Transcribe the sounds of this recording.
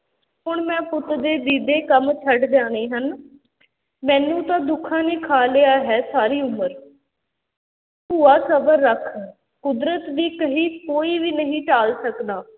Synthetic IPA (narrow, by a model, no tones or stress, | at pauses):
ɦʊɳmɛ̃ːpʊt̪d̪eːd̪iːd̪eːkəmt͡ʃʰəɖd͡ʒaːneːɦən | mɛ̃ːnũːt̪ãːd̪ʊkʰãːnẽːkʰaːleːaːɦɛːsaːɾiːʊməɾ | puːaːsəbəɾːəkʰ | kʊd̪ɾət̪d̪iːkəɦiːkoːiːʋiːnəɦĩːʈaːlsəkd̪aː